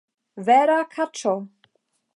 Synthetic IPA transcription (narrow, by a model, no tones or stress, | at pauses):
vɛːɾakʰat͡ʃo